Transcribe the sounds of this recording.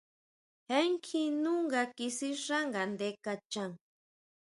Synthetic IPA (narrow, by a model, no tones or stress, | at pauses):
heŋkʰinuŋɢakisiɾaŋɡand̪ekat͡ʃaŋ